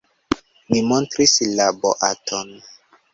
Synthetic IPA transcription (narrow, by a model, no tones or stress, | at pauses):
mimontɾislabo̰ʔatʰon